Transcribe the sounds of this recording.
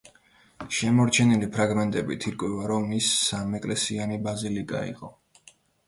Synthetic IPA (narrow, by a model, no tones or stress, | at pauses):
ʃɛmɔɾt͡ʃʰɛnilipʰɾaɡmɛnt̪ʼɛbḭt̪ʰiɾkʼwɛvaɾɔmisːamɛkʼlɛsianibazilikʼa̰ḭqʼɔ